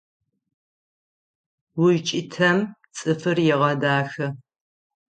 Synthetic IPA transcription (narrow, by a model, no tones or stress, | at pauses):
wʊʒt͡ʃʼɪtʰɐmt͡sʼɨfɨrjɛʁɐdaːxɐ